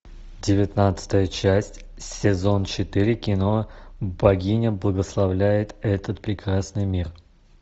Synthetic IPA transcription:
dʲɪvʲɪt̪nat̪sɨ̥t̪əjət͡ɕæsʲtʲ | sʲɪzo̞nt͡ɕɪt̪ɨɾʲɪkʲɪno̞bɐɡʲinʲəblˠəɡəslˠɐvlʲæjɪt̪ɛt̪ət̪pɾʲɪkɾasnɨjmʲir

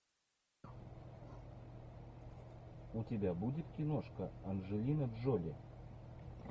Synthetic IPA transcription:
utʲebʲabudʲit̪kʲinoʂkəɐnʒɨlʲinəd̪ʒolʲe

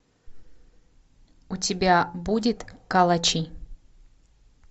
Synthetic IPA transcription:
ʊtʲɪbʲabudʲɪt̪kɐlˠɐt͡ɕi

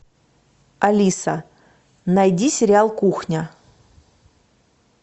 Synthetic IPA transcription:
ɐlʲisə | nɐjdʲisʲɪɾʲɪalˠkuxnʲə

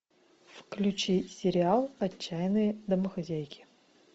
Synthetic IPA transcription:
fklʲʉt͡ɕisʲɪɾʲɪalˠɐːæjɪnɨjəd̪əməxɐzʲæjkʲʰɪ̥

